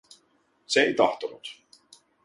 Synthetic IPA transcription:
seejt̪ɑ̰ht̪onut̪

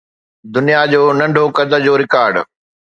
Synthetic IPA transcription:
d̪ʊnijad͡ʑoːnɐ̃ɳɖʱokɐd̪əd͡ʑoːɾɪkaːɾɖ

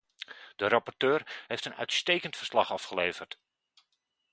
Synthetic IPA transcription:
d̥əɾɑpɔrtøːɹhejftənœ̰ɥtstejkəntfərslɑχɑfχəleːv̥ərt

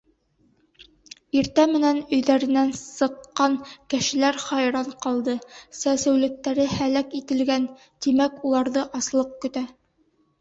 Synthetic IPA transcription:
iɾt̪æmɘ̆nænɵ̆jðæɾɘ̆nænsɤ̆qːɑŋkɘ̆ʃɘ̆læɾχɑjɾɑɴqɑlˠd̪ɤsæsɘ̆wlɘ̆k̚t̪ːæɾɘhælækit̪ɘ̆lɡæn | t̪imækulˠɑɾðɤʔɑslˠɤq̚kɵ̆t̪æ

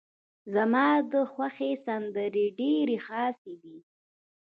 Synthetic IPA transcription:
zamɑd̪əxwaxesand̪əɾeɖeɾexɑsed̪i

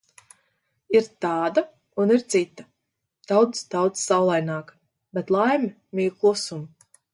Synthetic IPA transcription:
iɾt̪aːd̪a | uniɾt̪sit̪ːa | d̪̥awd̪sd̪awt̪ssawlˠajnaːk | bet̪lˠajmʲi | mʲiːklˠusum

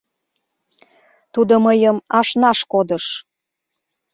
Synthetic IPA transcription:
t̪ud̪oməjəmɑʃnɑʃkod̪əʃ

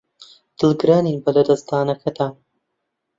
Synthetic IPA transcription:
d̪̥ɨlˠɡɨɾaːniːnbɐlɐd̪ɐst̪aːnɐkʰɐd̪aːn

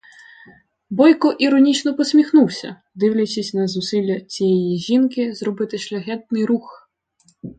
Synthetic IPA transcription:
bɔjkɔʔiɾɔnʲit͡ʃnɔpɔsʲmʲixnuwsʲɐ̰ | d̪ɪwlʲɐt͡ʃʲisʲnɐzʊsilʲːɐt͡sʲijɛjiʒʲinkɪzɾɔbɪt̪ɪʃlʲɐɦɛt̪̚nɪjɾux

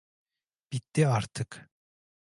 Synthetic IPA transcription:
b̥it̪ːiaɾt̪ʰɯk

